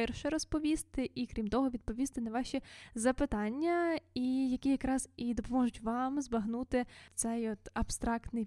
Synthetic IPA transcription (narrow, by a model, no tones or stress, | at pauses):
ɛrʃɛɾɔspɔʋʲist̪ɪʔikɾʲimt̪ɔɦɔʋʲid̪̚pɔʋʲist̪ɪnɐʋɑʃʲizɐpɪt̪ɑnʲːɐijɐkʲijɐkɾɑz̥id̪ɔpɔmɔʒʊtʲʋɑmzbɐɦnut̪ɪt̪sɛjɔt̪ɐb̥st̪ɾɑkt̪nɪj